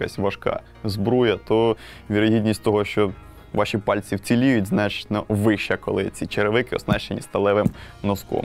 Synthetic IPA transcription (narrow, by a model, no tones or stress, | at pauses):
ka̰sʲʋɐʃkɑ̰ | zbɾujɐt̪ɔ | ʋʲiɾɔɦʲidʲnʲisʲtʲt̪ɔɦɔʃt͡ʃɔ | ʋɑʃʲipɑlʲt͡sʲiwt͡sʲilʲijʊtʲznɑt͡ʃɪ̥tʲnɐʋɪʃt͡ʃɐkɔlˠɪt͡sʲit͡ʃeɾeʋɪkɪɔ̰snɑʃt͡ʃenʲist̪ɐlˠɛʋɪmnɔskɔ̰m